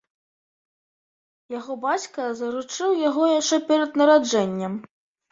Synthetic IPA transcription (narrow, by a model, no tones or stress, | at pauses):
jaɣɔbat͡sʲkɐzɐɾut͡ʂɨwjaɣɔjaʂt͡ʂɛpʲɛɾɐd̪̚nɐɾad͡ʐɛnʲːɐm